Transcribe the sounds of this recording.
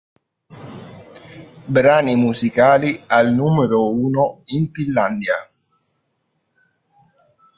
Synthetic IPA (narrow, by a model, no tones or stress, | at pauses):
bɾaːnimuzikaːlialnuːmeɾouːnoiɱfilːand̪ja